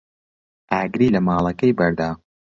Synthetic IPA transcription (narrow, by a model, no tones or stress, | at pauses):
ʔaːɡɾiːlɐmaːlˠɐkɐjbɐɾd̪aː